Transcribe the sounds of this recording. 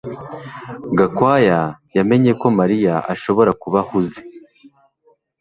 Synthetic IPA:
ɡakwaːjajame̞ɲeko̞maɾijaʔaʃo̞βo̞ɾakuβahuze̥

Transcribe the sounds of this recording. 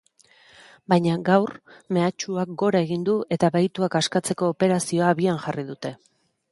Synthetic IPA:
bajɲaɡawrme̞at͡ʃuak̚ɡo̞ɾae̞ɣind̪ue̞t̪aβajt̪uakaskat͡se̞ko̞ːpe̞ɾasio̞aβianʝarið̞ut̪e̞

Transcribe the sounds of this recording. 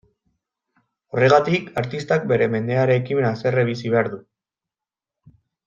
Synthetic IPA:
ore̞ɣat̪ikaɾt̪ist̪ak̚be̞ɾe̞me̞nd̪e̞aɾeːkime̞nase̞reβisiβe̞aɾðu

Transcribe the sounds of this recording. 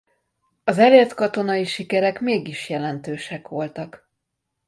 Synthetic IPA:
ɒzɛleːrt̪kɒt̪o̞nɒiʃikɛɾɛkmeːɡiʃjɛlɛnt̪øːʃɛkʋo̞lt̪ɒk

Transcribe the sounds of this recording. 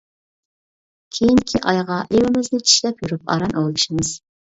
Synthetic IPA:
kʲʰejiŋkʲʰiʔɑjʁɑʔewɪmɪznɪt͡ʃʰi̥ʃlɛpjyɾyp̚ɑ̰ɾɑnʔoʁlˠɨʃimɨz̥

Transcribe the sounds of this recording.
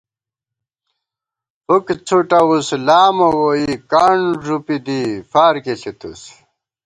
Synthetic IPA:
pukt͡sʰuʈɐwuslaːmowoikaɳʐupid̪ifaːɾkeɬit̪us

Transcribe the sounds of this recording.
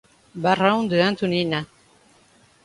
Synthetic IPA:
barawnd̪eant̪unina

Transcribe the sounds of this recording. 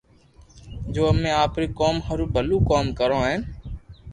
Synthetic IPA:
d͡ʒoːəmẽːaːpɾiːkoːmhəɾuːbʱəluːkoːmkəɾõːɦɛ̃ː

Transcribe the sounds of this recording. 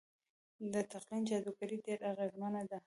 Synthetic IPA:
d̪ət̪aqlint͡ʃad̪ukaɾiɖeɾaɣezmanad̪a

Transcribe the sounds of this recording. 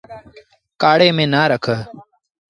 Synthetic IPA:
kaːɽeːmẽːnaːɾəkʰəː

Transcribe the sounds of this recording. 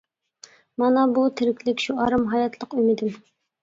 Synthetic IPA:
mɑnɑbut̪ʰɪɾɪkʲlɪkʲʃuɑɾɨmɦɑjɑt̪ʰlˠəqymɪd̪ɪm

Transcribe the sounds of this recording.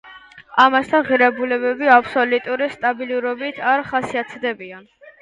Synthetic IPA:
amasd̪ʰanʁiɾɛbulɛbɛbiapʰsɔlut̪ʼuɾist̪ʼabiluɾɔbit̪ʰaɾχasiat̪ʰd̪ɛbian

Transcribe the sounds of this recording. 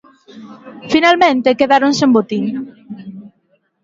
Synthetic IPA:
finalmẽnt̪ekeðaɾoŋsembot̪iɲ

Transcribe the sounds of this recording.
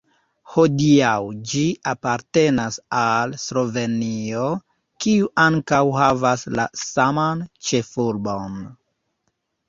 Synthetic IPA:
ho̞diawd͡ʒiʔapaɾte̞nasalslo̞ve̞nio̞ | kiuʔaŋkawɦavasla̰samant͡ʃe̞fuɾbon

